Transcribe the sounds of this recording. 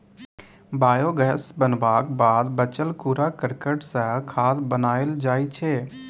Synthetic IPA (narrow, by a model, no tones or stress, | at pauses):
baːjoːɡəɦsbənbaːkbaːd̪bət͡ʃəlkuːɾakɪɾkəʈsəkʰaːd̪bənaːeld͡ʒaːit͡ʃʰeː